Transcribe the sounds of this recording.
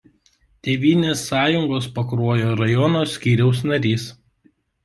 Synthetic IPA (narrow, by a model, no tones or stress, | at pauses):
t̪ʲeːʋʲiːnʲeːsːɑːjʊŋɡoːspɐkɾuɔjoːɾɐjɔnoːsʲkʲiːɾʲɛʊsnɐɾʲiːs